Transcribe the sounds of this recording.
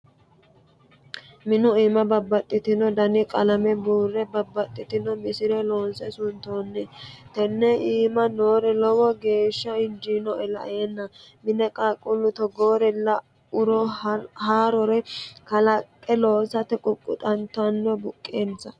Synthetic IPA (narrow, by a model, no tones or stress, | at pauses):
mɪnʊiːmɐbɐbːɐt̪ʼːɪt̪ɪnɔd̪ɐnɪkʼɐlɐmɛbuːrːɛbɐbːɐt̪ʼːɪt̪ɪnɔmɪsɪɾɛlo̞ːnsɛsʊnt̪oːnːɛt̪ɛnːɛiːmɐnoːɾɛlɔwɔɡe̞ːʃːɐɪd͡ʒinɔʔɛlɐ̰ʔeːnːɐmɪnɛkʼaːkʼːʊlːʊt̪ɔɡoːɾɛlɐ | ʊɾɔhaːɾɔɾɛkɐlɐkʼːɛloːsɐt̪ɛkʼʊkʼːʊ̰t̪ʼɐnt̪ɐnːɔbʊkʼːeːnsɐ